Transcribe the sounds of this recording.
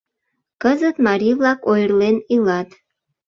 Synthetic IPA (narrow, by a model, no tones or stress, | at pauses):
kəzət̪mɑɾivlɑkojrlenilɑt̪